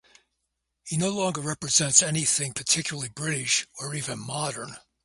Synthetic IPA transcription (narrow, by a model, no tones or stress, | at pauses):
hinoʊlɔ̃ŋɡə˞ɹɛpɹɨzɛ̃ntsɛniθɪ̃ŋpʰə˞tʰɪkʰjl̩ˠlˠibɹɪɾɪʃə˞ivɨ̃nmɑɾə̃˞n